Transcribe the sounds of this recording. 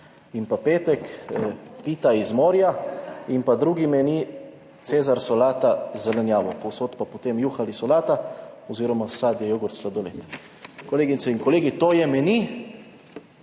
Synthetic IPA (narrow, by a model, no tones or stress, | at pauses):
impapeːt̪ɛk | piːt̪aizmoːɾjaimpad̪ɾuːɡimɛni | t̪seːzaɾsolaːt̪azɛlɛnjaːʋɔpowsoːt̪papot̪eːmjuxalisɔlaːt̪aoziːɾɔmasaːd̪jɛjoɡɔɾt̪slad̪olet̪ | koleːɡinsɛiŋkoleːɡit̪oːjɛmɛni